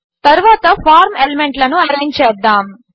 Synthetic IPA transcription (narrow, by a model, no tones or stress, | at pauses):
t̪ɐɾuʋaːt̪ɐfaːɾmelemeɳʈlɐnuɐɾeːɲd͡ʒt͡ʃɛːd̪ːaːm